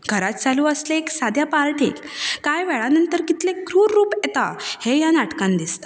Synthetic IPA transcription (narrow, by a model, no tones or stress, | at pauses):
ɡʱəɾat̪t͡saluəsleeksad̪ʱjapalʈḛk | kajʋɛɭanənt̪əɾkit̪lekɾuːɾːuːpɛt̪ahejanaʈkãnd̪ist̪ḁ